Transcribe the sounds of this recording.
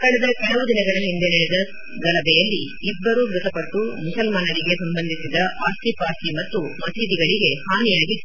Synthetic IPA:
kɐɽɛd̪ɐkɐɳɐʋud̪inɐɡɐɭɐɦind̪e̞nɐɭɛd̪ɐ | ɡɐlɐbɛjɐlːiː | bːɐɾuɡɾut̪ɐpɐʈːumusɐlmaːnɐɾiɡe̞sɐmbɐnd̪ʱisid̪ɐʔaːsʈ̪ipaːʂʈimɐt̪ːumɐsiːd̪iɡɐɭiɡe̞haːnijaːɡi

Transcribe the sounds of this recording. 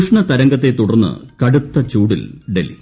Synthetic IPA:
ʂɳɐt̪ɐɾɐŋɡɐt̪ːe̞t̪uɽɐrnːɨ̰kɐɽut̪ːɐt͡ɕuːɽḭlɖḛlḭ

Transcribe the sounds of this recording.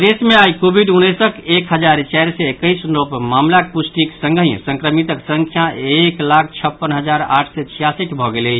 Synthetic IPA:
d̪esmẽajkobʱiɖunəsəkekɦəd͡ʒaɾt͡ʃɛjɾsɛekəjsnopmamlak̚pusʈiksə̃ŋɡəɦĩsə̃ŋkɾəmit̪əksəŋkʰjaeklakʰt͡ʃʰəpːənɦəd͡ʒaɾa̰ʈʰsɛt͡ʃʰijasiʈbʱɔɡelə

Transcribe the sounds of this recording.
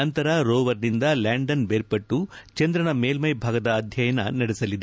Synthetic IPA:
ɐnt̪ɐɾɐɾoːʋɐɾnind̪ɐlaːɳɖɐnbeːɾpɐʈːut͡ʃɐnd̪ɾɐɳɐmeːlmɐjbʱaːɡɐd̪ɐːd̪ʱjɐjɐnɐnɐɽesɐlːid̪e

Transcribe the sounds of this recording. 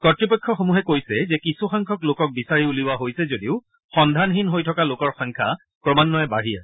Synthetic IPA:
kɔtɹipɔkʰːɔxomuɦɛkojsɛzɛkisuxaŋkʰɔklokɔk̚bisaɹiuliwaɦojsɛzodiʊ | xɔndʱanɦinɦojtʰɔkalokɔɹxɔŋkʰa̰ | kɹɔmanːɔɛbaɹija̰

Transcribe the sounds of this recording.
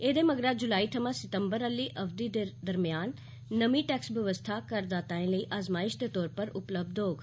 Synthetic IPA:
eːd̪eːməɡɾaːd͡ʒʊlaːiːt̪ʰəmãːsɪt̪əmbəɾəlːiːʔəʋd̪iːd̪ed̪əɾmɪjaːnː | əmĩːʈɛːksbjəʋəst̪ʰakəɾd̪aːt̪aːẽːləiːʔaːzmaːɪʃd̪eːt̪ɔːɾpəɾʊpləb̚d̪ɦoːɡ

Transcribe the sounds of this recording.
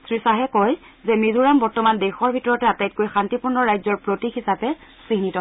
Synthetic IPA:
sɹisaɦɛkɔj | zɛmizuɹambɔɹtɔmandexɔɹbʱitɔɹɔtɛatajt̚kojxantipuɹnɔɹajzɔɹpɹotixisapɛsiɦnitɔ

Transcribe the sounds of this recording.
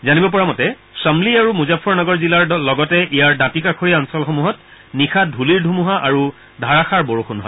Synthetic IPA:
zanibɔp̬ɔɹamɔtɛ | samliaɹumuzapʰɔɹnɔɡɔɹzilaɹlɔɡɔtɛʔijaɹdãtikakʰoɹiaɔnsɔlxomuɦɔtnixʰadʱuliɹdʱumuɦaʔaɹu | dʱaɹaxaɹboɹoxunɦɔ̰j

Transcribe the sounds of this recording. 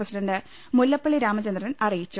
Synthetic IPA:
ɐsiɖɐndɨ | mulːɐpːɐɭiɾaːmɐt͡ɕɐnd̪rnɐnʔɐrijit͡ɕːu

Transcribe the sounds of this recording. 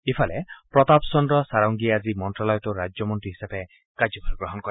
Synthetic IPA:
ipʰɔlepɾɔt̪apsɔndɾɔsaɾɔŋɡiad͡ʒimɔnʈɾalɔjɔt̪uɾad͡ʒɔmɔntɾiɦi̥sabe | kad͡ʒɔbʱaɾɡɾɔɦɔnkɔɾ

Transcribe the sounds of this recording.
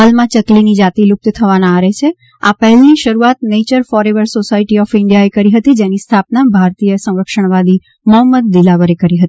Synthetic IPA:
ɦalmãt͡ʃəklinid͡ʒat̪iluk̚t̪t̪ʰəʋanãːɾet͡ʃʰe | apɛɦɛlniʃəɾuat̪̚net͡ʃəɾfɔɾeʋəɾsosaiʈiɔfɪɳɖijaekəɾiɦət̪id͡ʒenist̪ʰapnabʱaɾt̪ijəsə̃w̃ɾəkʃəɳ̃ʋad̪i | məɦəmːəd̪̚ːilaʋəɾekəɾiɦət̪ii

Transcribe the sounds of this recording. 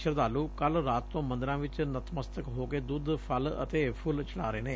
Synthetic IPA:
ʃəɾd̪aːluːkəlɾaːt̪t̪õːmə̃nd̪əɾãːʋɪt͡ʃnət̪məst̪əkɦoːkeːd̪uːd̪pʰələ̰t̪eːpʰʊlt͡ʃəla̰ːɾeːneː

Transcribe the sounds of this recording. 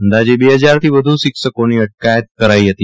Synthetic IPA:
ənd̪ad͡ʑibeɦəd͡zaɾt̪ʰiːʋəd̪ʱũːsiksəkoniːəʈ̚kajət̪̚kəɾaiːɦet̪iː

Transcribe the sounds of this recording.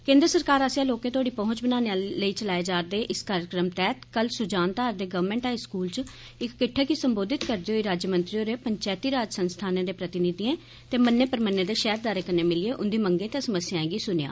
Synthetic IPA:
kẽːnd̪ɾəsəɾkaːɾasãːloːkẽːt̪̬ʰʊaːɽiːpɔɦʊ̃ɲt͡ʃbənaːneaːləiːt͡ʃəlaːeːd͡ʒaːɾd̪eːʔɪskaːɾjəkɾəmt̪ɛːt̪kəlsʊd͡ʒaːnt̪aːɾd̪eːɡəʋəɾmɛ̃ːɳʈaːiskuːlt͡ʃ | ɪkːɪʈʰːeːkiːsəmboːd̪ɪt̪kəɾd̪eːɦoːiːɾaːd͡ʒjəmənt̪ɾioːɾeːpəɲt͡ʃaːt̪iːɾaːd͡ʒsənst̪ʰaːnẽːd̪eːpɾət̪ɪnɪd̪iẽː | t̪eːmənːeːpəɾmənːeːd̪eːʃɛːɾd̪aːɾeːkəɾneːmɪlɪeːʔʊnd̪iːməŋɡẽːt̪ẽːsəməsjãːẽːɡiːsʊnja̰ː

